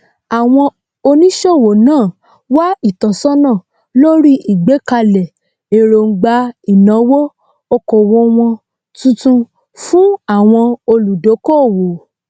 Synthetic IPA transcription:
a˨w̃ɔ̃˧ | o˧nĩ˦ʃo˦˨wo˨nãː˦˨ | wa˦i˦˨tɔ˨sɔ˦nã˦˨ | lo˦ɾi˦ʔi˨ɡ͡be˨˦ka˧lɛ˨ | e˨ɾo˧ŋ̩˧˦ɡ͡ba˧i˨nã˨˦wo˦ | o˧ko˨wo˧˦w̃ɔ̃˧ | tũ˦tũ˧ | fũ˦a˦˨w̃ɔ̃˧o˧lu˨do˨˦ko˦˨wo˨

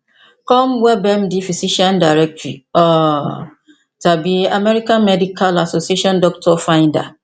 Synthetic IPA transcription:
kɔ̃˦mwɛ˦bɛ̃˦mdi˦fi˨si˦ʃɔ̃˦nda˨ɾɛ˦k̚tɾi˨ɔ˨ | ta˨bi˦a˨mɛ˦ɾi˦kã˦nmɛ˦di˦kʰa˦la˨so˨si˦e˦ʃɔ̃˦ndɔ˦k̚tʰɔ˦fã˦ɪ̃nda̰˨

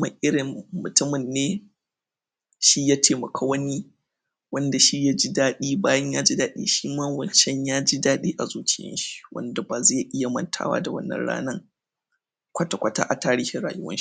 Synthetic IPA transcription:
ma̰˨ʔɪ˦ɽɪ˨mːʊ˨tʊ˦mɪ˨nːeː˦ | ʃi˦jaː˦tʰeː˨mɐ˨kʰaː˦wɐ˦ni˦ | wɐ˦nda˨ʃi˦ja˦d͡ʒi˦daː˦ɗiː˦baː˦jɐ˦ɲjaː˦d͡ʒi˦daː˦ɗḭː˦ʃiː˦maː˦wɐ˨nʃɛ˦ɲjaː˦d͡ʒi˦daː˦ɗiː˦ʔa˨zuː˦t͡ʃɪ˦jɐ̰˦nʃi̥˦wʔɐ̰˦nda˨baː˨zeː˦˨jʔɪ˦ja˨mɐ̰˦ntʰa̰ː˦wa̰ː˦da˨wɐ̰˦nːɐ̰˦nɽa̰ː˦nɐ˦ŋ | kʷɐ˦ta˨kʷɐ˦ta̰ː˦ʔa˨taː˦ɽi˦he˦ɽaː˨jʊ˦wɐ̰˦nʃi̥˦

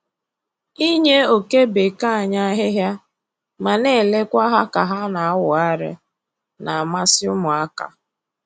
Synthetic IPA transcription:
i˦ɲe˦o˨ke˦be˨ka˦a˨ɲa˦ɦɪ˦ɦja˦ | ma˨ne˦˨le˦kʷa˦ɦa˦ka˨ɦa˦na˨a˦wʊ˨a˦ɾɪ̰˦ | na˨a˨ma˦sɪ˦ʊ˦mʊ˨a˦ka̰˨

